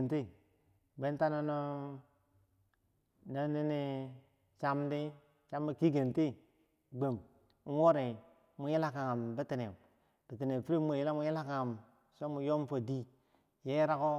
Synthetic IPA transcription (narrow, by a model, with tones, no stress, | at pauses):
nti˦ | be˦n˦ta˦na˦no˦ | na˦ni˦ni˦ | t͡ʃa˦mdi˦ | t͡ʃa˦mi˦ki˦ɡe˨nti˦ | ɡ͡be˨m | u˦wo˦ɾe˨ | mu˨˦ji˦la˦ka˨ŋa˨mbi˦ti˨ne˨ | b̥i˨ti˨ne˨fi˦ɾi˦mo˨ji˦la˦mu˨ji˦la˦ka˨ŋa˨m | so˦mu˨jo˦mfo˨di˦ | je˦ɾa˦ko˦